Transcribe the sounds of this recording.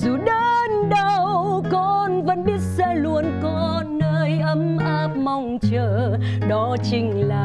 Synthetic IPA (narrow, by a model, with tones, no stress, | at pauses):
zu˨˩ɗə˧˦nɗə˧wkɔ˧˩nvə̰˧˥nɓi˦˥ət̚sɛ̰˧˥lu˧˩ənkɔ˧ | nːəː˧jʔə˨˦mʔa˦˥p̚ma˧wŋ͡mt͡ɕəː˧˩ | ɗɔ˨˦t͡ɕï˧˩ŋ̟laː˨˩